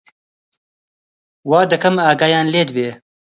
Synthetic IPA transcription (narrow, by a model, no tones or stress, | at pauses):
wɑːd̪əkɐmaːɡaːjaːnleːd̪beː